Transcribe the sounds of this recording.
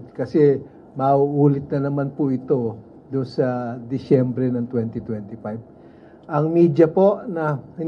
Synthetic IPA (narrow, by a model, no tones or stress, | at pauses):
kɐsɛ | mɐuʔuːlɪt̪̚nɐnɐmanpʊʔɪt̪o̞ | d̪ʊnsɐd̪ɪsɛmbɾɛnɐŋt̪wɛnt̪ɪt̪wɛnt̪ɪfajb̚ | ʔɐŋmiːd͡ʒɐpo̞ʔnɐhɐ